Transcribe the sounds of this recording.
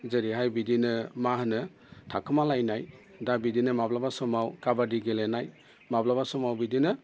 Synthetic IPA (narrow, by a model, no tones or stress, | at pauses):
zeɾiɦajbidinɯmahnɯ | tʰakʰɯmalajnaj | dabidinɯmablabasɔmawkabadiɡelenaj | mablabasɔmawbidinɯ